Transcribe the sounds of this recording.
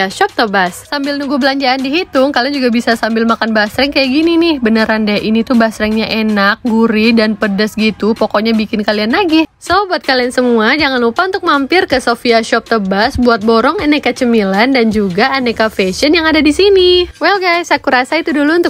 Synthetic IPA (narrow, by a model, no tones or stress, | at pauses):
aʃɔp̚t̪əbassambɪlnuɡubəlaɲd͡ʒaandiɦit̪ʊŋkaliand͡ʒuɡabisasambɪlmakanbasɾɛŋkajaʔɡininɪhbənəɾandajaʔinit̪ubasɾɛŋɲaʔenak̚ɡuɾidanpədəsɡit̪upɔkɔʔɲabikɪnkalianlaɡisobuat̪̚kaliansəmuad͡ʒaŋanlupaunt̪ʊk̚mampɪrkəsofiaʃɔp̚t̪əbasbuat̪̚bɔɾɔŋɛnɛkat͡ʃəmilandand͡ʒuɡaːnɛkafeʃənjaŋadadisiniwɛlɡajsakuɾasait̪uduluːnt̪ʊ